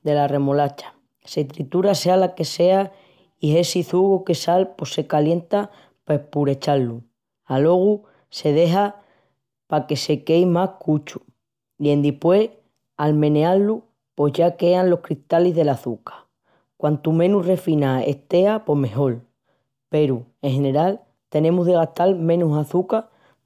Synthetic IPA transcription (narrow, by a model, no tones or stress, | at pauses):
d̪e̞lare̞mo̞lat͡ʃḁ | se̞t̪ɾit̪uɾase̞alake̞se̞a | ie̞siθuɣoke̞salpo̞se̞kalje̞nt̪a | pehpuɾe̞t͡ʃalːu | alo̞ɣ̞u | se̞ð̞e̞ɦa | pake̞se̞ke̞jmakut͡ʃu̥ | ie̞nd̪ipwe̞ | almẽ̞nealːu | po̞zʝake̞anlo̞hkɾist̪alizðe̞laθukḁ | kwant̪umẽ̞nure̞finae̞̰st̪e̞apo̞ɦme̞ɦo̞l | pe̞ɾue̞ŋɦe̞ne̞ɾal | t̪e̞nẽ̞muzðe̞ɣ̞aht̪almẽ̞nusaθuka